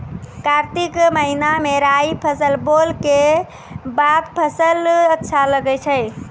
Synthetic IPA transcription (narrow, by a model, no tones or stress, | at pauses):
kaɾt̪ikməɦinameɾajpʰəsəlbolke | bad̪pʰəsələtːʃʰaləɡɛt͡ʃʰəj